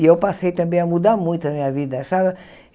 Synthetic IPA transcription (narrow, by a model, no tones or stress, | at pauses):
ewpasejt̪ɐ̃mbẽj̃ɐmud̪aɾmũj̃t̪ʊɐmĩɲɐvid̪ɐʃa